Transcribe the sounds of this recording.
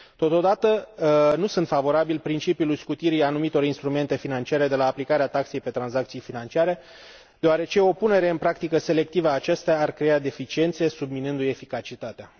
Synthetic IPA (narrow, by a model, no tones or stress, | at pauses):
t̪o̞t̪o̞d̪at̪ənusunt̪favo̞ɾabilpɾint͡ʃipjulujskut̪iɾianumit̪o̞ɾinst̪ɾume̞nt̪e̞finant͡ʃiaɾe̞d̪e̞laːplikaɾeat̪akse̞jpe̞t̪ɾanzak̚t̪sijfinant͡ʃiaɾe̞ | d̪̥eoaɾe̞t͡ʃe̞o̞pune̞ɾe̞ɨnpɾakt̪ikəse̞le̞k̚t̪ivəaːt͡ʃest̪eaːrkɾe̞ad̪e̞fit͡ʃie̞nt̪se̞subminɨnd̪uje̞fikat͡ʃit̪at̪ea